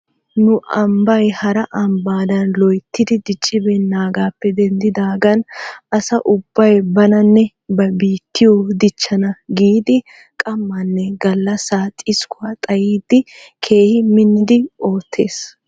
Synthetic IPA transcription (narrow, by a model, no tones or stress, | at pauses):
nʊʔɐmbɐjhɐɾɐʔɐmbaːd̪ɐnlɔjt̪ːɪd̪ɪd̪ɪt͡ʃʼːɪbɛnːaːɡaːpːɛd̪ɛnd̪ɪd̪aːɡɐnʔɐsɐʔʊbːɐjbɐnɐnːɛ | bɐbiːt̪ːɪjɔd̪ɪt͡ʃːɐnɐɡiːd̪ɪ | kʼɐmːɐnːɛɡɐlːɐsaːt̪ʼɪskʊwɐt̪ʼɐjiːd̪ɪkʰe̞ːhɪmɪnːɪd̪ɪo̞ːt̪ʰːe̞ːs